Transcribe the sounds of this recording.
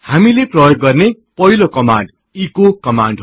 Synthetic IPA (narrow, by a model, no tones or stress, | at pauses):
hamileprʌjoɡːʌrne | pʌilokʌmaɳɖ | ikokʌmaɳɖɦ